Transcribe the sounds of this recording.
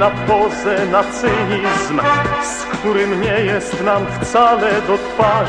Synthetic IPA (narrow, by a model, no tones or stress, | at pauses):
apɔzɛnat͡sɪɦizmskt̪uɾɪmɲɛjɛst̪namft͡salɛd̪ɔk̪paː